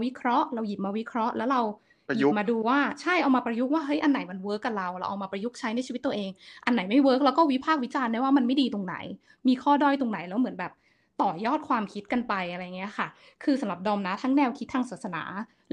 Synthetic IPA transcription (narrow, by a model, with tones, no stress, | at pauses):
wi˦˥kʰɾɔ˦˥ʔɾa˧wji˨˩p̚maː˧wi˦˥kʰɾɔ˦˥ʔlɛː˦˥wɾa˧w | maː˧duː˧waː˥˩t͡ɕʰa˥˩jʔa˧wmaː˧pɾa˧ju˦˥k̚waː˥˩ɦɤ˦˥jʔa˧nːa˨˩˦jma˧nwɤː˦˥kːa˧˩ɾa˧wɾaː˧˥wʔa̰˧wmaː˧pɾa˧ju˦˥k̚t͡ɕʰa˦˥jna˧jʰiː˧i˦˥t̪ːə˧ʔeː˧ŋʔa˧nːa˨˩˦jma˥˩jwɤː˦˥k̚lɛ˦˥wkɔː˥˩wi˦˥pʰaː˥˩k̚wi˦˥t͡ɕaː˧nda˥˩waː˥˩ma˧nma˥˩jdiː˧t̪o˧ŋna̰˨˩˦j | miː˧kʰɔː˥˩dɔː˥˩jt̪o˧ŋna˨˩˦jlɛː˦˥wmɯ˩˦nbɛː˨˩p̚ | t̪ɔː˨˩jɔː˥˩t̪̚kʰwaː˧mkʰi˦˥t̪̚ka˧npa˧jʔa˧ɾa˧ja˨˩ŋːi˦˥ɐ˧kʰa˥˩ | kʰɯː˧sa˨˦ɾa˨˩p̚dɔː˧mna˦˥t̪ʰa˦˥ŋnɛː˧˩wkʰi˦˥t̪ʰːaː˧ŋsaː˨˩sa˧na̰ː˩˦